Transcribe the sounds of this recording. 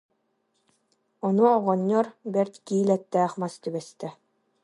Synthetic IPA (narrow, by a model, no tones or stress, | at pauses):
ɔnuɔʁɔɲːɔɾbɛɾt̪kiːlɛt̪ːæːχmast̪ybɛst̪ɛ